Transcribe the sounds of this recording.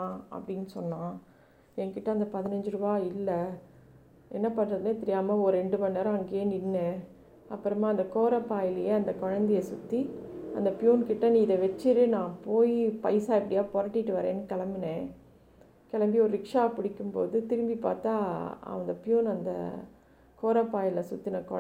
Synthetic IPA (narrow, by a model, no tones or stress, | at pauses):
aɐ̰pːɐɽɪnːsɔnːãː | ɛŋkɪʈːɐɐnd̪ɐpɐðɪnɐɲd͡ʒɯɾɯbaːɪlːɐ | ɛnːɐpɐnːɾɐðɯnat̪ɪɾɪjaːmɐɔɾɛɳɖɯpɐnːɐːɾɐŋɡenɪnːɯ | ɐpːɯɾɐmaːnd̪ɐkoːɾɐpːaːjɪlɐjeɐnd̪ɐkɔɻɐnd̪ɪjɐsʊt̪ːiɐ̰nd̪ɐpɪjuːnkɪʈːɐnĩːɪðɐʋɛt͡ʃːɪɾɯnãːpoːjipɐɪsaːɪpːɐɽɪjaːpɔɾɐʈːɪʈːɯʋɐɾḛ̃ːnːɯkɐlɐmbɪnẽː | kɛlɐmbiɔɾɯɾɪkʂaːpɪɽɪkːɯmpo̰ːðɯt̪ɪɾɯmbipa̰ːɾt̪aːɐ̰ʋɐnd̪ɐpjuːnɐnd̪ɐ̰ | koːɾɐpːaːjɪlɐsʊt̪ːinɐkɔ